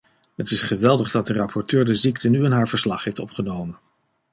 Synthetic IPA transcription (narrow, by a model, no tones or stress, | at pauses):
ɦətɪsχəʋɛlˠdəχdɑt̚dərɑpʰɔɹtøːɹdəziktənyɪnɦaːɹvəɹslɑχɦejftɔpχənowmən